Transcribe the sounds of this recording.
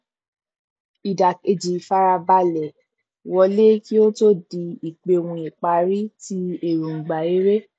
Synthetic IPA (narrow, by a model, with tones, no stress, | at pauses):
i˨da˨e˧d͡ʒi˨fa˧ɾa˧ba˧lɛ˨ | wɔ˧le˦ki˦o˦to˦di˧i˨k͡pe˧wũ˧i˨k͡pa˨˦ɾi˦ti˦e˦˨ɾu˨ŋ̩˨ɡ͡ba˨e˨˦ɾe˦